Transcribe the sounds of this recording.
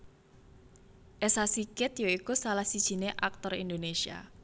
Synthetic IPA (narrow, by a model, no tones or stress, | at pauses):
ʔesasikɪt̪joikusalahsid̥ʒ̥i̤neʔak̚t̪ɔrḭnd̪onesia̰